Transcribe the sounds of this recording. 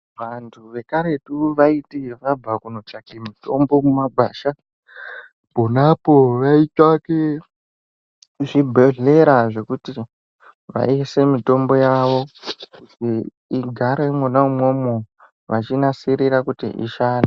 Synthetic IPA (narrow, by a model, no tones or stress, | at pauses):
ʋantʰuʋe̞kaɾe̞tuʋaitiʋab͡vakuno̞t͡ʃakemito̞mbo̞mumaɡʱaːʃa | po̞napoʋait͡ʃake | ʐibʱeɮe̞ɾaʐe̞kuti | ʋa̰ise̞mito̞mbo̞jaʋo̞kuti | iɡʱaɾemonaumwo̞mo | ʋat͡ʃinasiɾiɾakutḭʔḭʃaːna